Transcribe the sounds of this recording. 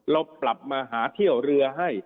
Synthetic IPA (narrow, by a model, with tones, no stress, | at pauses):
ɾa˧wpla˨˩p̚maː˧ɦaː˩˦t̪ʰi˥˩əwɾɯ˧ɐɦa˥˩j